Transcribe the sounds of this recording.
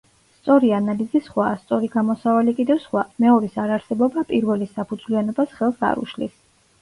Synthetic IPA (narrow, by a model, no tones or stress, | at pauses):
st̪sʼɔɾianalizisχwaːst̪sʼɔɾiɡamɔsavalikʼid̪ɛvsχwamɛɔɾisaɾaɾsɛbɔbapʼiɾvɛlisapʰud̪zlianɔbasχɛlˠsa̰ɾṵʃlḭs